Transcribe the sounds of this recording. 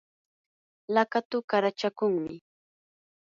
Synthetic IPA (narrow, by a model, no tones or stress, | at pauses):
lakat̪ʊkaɾat͡ʃakʊŋmɪ